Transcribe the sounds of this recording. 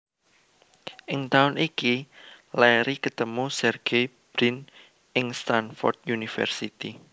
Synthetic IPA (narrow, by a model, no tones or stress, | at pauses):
ʔɪŋt̪aʊnʔikilɛɾikət̪əmusɛrɡ̥e | b̥ɾɪn | ɪŋst̪anfɔ̰rt̪̚junifɛ̰rsit̪i